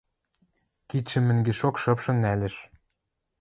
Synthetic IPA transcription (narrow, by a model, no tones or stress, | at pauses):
kit͡ɕːɘ̆mɘ̆ŋɡeʃokʃɤ̆pʃɤ̆nælɘ̆ʃ